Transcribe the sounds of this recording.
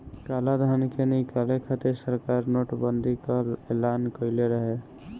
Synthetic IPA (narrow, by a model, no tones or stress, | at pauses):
kaːlad̪ʱankenikalekʰat̪esəɾkaːɾnoʈbənd̪ʱikəɾelaːnkəɪleɾəɦe